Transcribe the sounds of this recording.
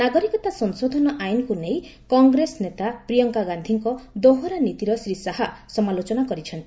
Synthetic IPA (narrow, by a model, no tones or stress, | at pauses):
naɡɔɾikɔt̪asɔnsod̪ʱɔnɔʔajnɔkunejkɔŋɡɾesnet̪apɾijɔŋkaɡand̪ʱiŋkɔd̪oɦɔɾanit̪iɾɔsɾisaɦasɔmalot͡ʃɔnakɔɾit͡ʃʰɔnt̪ii